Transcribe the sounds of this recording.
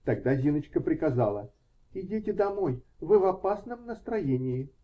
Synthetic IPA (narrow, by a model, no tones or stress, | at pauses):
t̪ɐɡ̚d̪azʲinət͡ɕkəpɾʲɪkɐzalˠə | ɪdʲitʲɪd̪ɐmojvɨvɐpasnəmnəst̪ɾɐjenʲɪɪ